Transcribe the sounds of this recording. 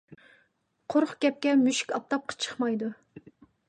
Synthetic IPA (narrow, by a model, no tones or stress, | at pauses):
qʰoɾχɡʲɛp̚kʲɛmyʃi̥kʲɑp̚t̪ʰɑp̚qʰɑ̥t͡ʃʰə̥χmɑjd̪u